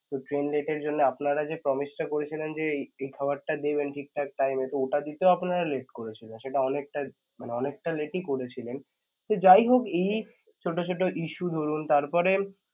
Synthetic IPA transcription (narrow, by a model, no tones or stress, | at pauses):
t̪oʈɾenleʈeɾd͡ʑonːeapnaɾad͡ʑepɾɔmisʈakoɾet͡ɕʰilend͡ʑeejkʰabaɾʈad̪ebenʈʰik̚ʈaɛk̚ʈajmet̪ooʈad̪it̪eoapnaɾaleʈkoɾet͡ɕʰilenʃeʈaɔnek̚ʈa | maneɔnekʈaleʈikoɾet͡ɕʰilen | t̪od͡ʑajɦokej | t͡ɕʰoʈot͡ɕʰoʈoʔiʃud̪ʱoɾunt̪aɾpɔɾe